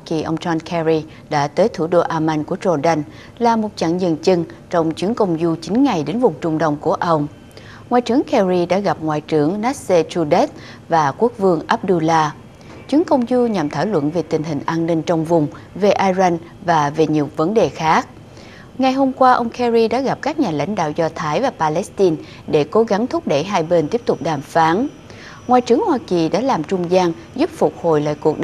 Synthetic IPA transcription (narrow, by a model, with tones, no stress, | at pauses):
a˧ki˨˩ʔə˧wŋ͡mt͡ɕɔ˧nkʰɛ˧ɹi˧ | ɗa̰ː˧˥t̪əː˨˦jt̪ʰu˧˩ɗo˧ʔaː˧ma˧nku˧˩əzo˧ɗa˧n | laː˨˩mo˨˩t̚t͡ɕa̰˧˨ŋzə̰˧˨nt͡ɕɨ˧ŋt͡ɕɔ˧wŋ͡mt͡ɕɨ˨˦əŋkə˧wŋ͡mzu˧t͡ɕï˨˦ŋ̟ŋa˨˩jɗe˨˦nvʊ˨˩ŋ͡mt͡ɕʊ˧ŋ͡mɗə˧wŋ͡mku˧˩əʔə˧wŋ͡m | ŋwaː˨jt͡ɕɨ˨˩əŋkɛ˧ɹi˧ɗa̰ː˧˥ɣa˨˩p̚ŋwa̰ː˨jt͡ɕɨ˨˦əŋna˦˥t̚se˧t͡ɕu˧ɗɛ˦˥t̚ | vaː˨˩ku˦˥ək̚vɨ˧əŋʔaː˦˥p̚ɗu˧laː˧ | t͡ɕɨ˨˦əŋkə˧wŋ͡mzu˧ɲa˨˩mt̪ʰaː˧˩jlwə̰˧˨nve˨˩t̪ï˨˩ŋ̟ɦï˨˩ŋ̟ʔaː˧nːï˧ŋ̟t͡ɕɔ˧wŋ͡mvʊ˨˩ŋ͡mve˨˩ʔaː˧za˧n | vaː˨˩ve˨˩ɲi˨˩əwvə˨˦nɗe˨˩xaː˦˥k̚ | ŋa˨˩jɦo˧mkwaː˧ʔə˧wŋ͡mkʰɛ˧ɹi˧ɗa̰ː˧˥ɣa˨˩p̚kaː˦˥k̚ɲaː˨˩la̰˧˥jŋ̟ɗa̰ː˧˨wzɔ˧t̪ʰaː˨˦jvaː˨˩paː˧lɛ˦˥st̪i˧n | ɗe˧˩ko˨˦ɣa˨˦ŋt̪ʰʊ˦˥k͡p̚ɗə˧˩jɦaː˧jɓe˧nt̪i˦˥əp̚t̪ʊ˨˩k͡p̚ɗaː˨˩mfaː˨˦n | ŋwaː˨˩jt͡ɕɨ˨˩əŋhwaː˧ki˨˩ɗa̰ː˧˥laː˨˩mt͡ɕʊ˧ŋ͡mzaː˧ŋ | zʊ˦˥p̚fʊ˨˩k͡p̚ho˧˨˩jla̰ː˧˨jku˨˩ək̚ɗ